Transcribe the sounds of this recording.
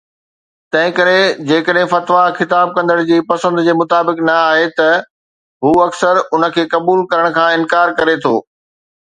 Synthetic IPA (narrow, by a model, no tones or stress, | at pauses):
t̪ɐ̃ɦɪ̃kɐɾed͡ʑeːkəɗɦɪ̃fɐt̪ʋaxɪt̪aːb̚kɐ̃nd̪əɽ̃d͡ʑiːpɐsə̃nd̪d͡ʑeːmʊt̪aːbɪknɐaːɦet̪ɐ | ɦuːɐksəɾʊnə̆kʰeːkɐbuːlkɐɾəɽ̃kʰãːɪ̃nkaːɾkɐɾet̪ʰo̰ː